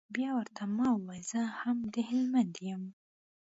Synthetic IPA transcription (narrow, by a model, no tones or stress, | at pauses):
bjɑwəɾt̪ʰamɑwwajzəhamd̪əhɪlmand̪jəm